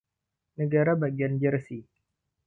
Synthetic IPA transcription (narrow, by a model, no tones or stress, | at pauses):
nəɡaɾabaɡiand͡ʒərsi